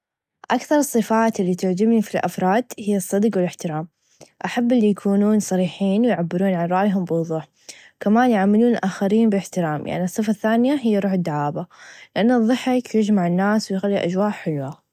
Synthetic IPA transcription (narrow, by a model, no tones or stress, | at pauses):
ʔakθɑɾˤɨsˤːɨfaːt̪ʔɪlːit̪ʊʕd͡ʒɪmnifilʔa̰fɾˤɑːd̪̥hɪjːɑsˤːɑd̪qwɪlɪħt̪ɪɾaːm | ʔaħabːɪlːijakʰuːnuːnsˤɑɾiːħiːnwɪjʕabːɪɾuːnʕanɾˤɑʔjɦʊmbɪwʊðˤuːħ | kamaːnjʕamːɪluːnɪlʔaːxaɾiːnbɪlɪħt̪ɪɾaːmja̰ʕnisˤːɨfaθːaːnɪjaɦɪjːaɾˤuːħɪd̪ːaʕaːbalɪʔanːɨðˤːɨħːakjɪd͡ʒmaʕɪnːaːswjxalːiʔad͡ʒwaːʔħɪlwa